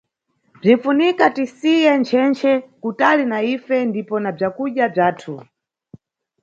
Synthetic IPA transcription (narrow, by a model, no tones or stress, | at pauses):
b͡ʐinfunikatisijɛnt͡ʃʰɛnt͡ʃʰɛkutalinaifɛndipɔnab͡ʐakuɗjab͡ʐaːtʰu